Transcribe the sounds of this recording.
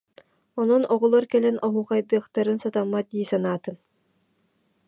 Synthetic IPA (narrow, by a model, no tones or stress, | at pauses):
ɔnɔnɔʁɔlˠɔɾkɛlɛnɔɦuːχajd̪ɯːχt̪aɾɯnsat̪amːat̪̚d̪iːsanaːt̪ɯn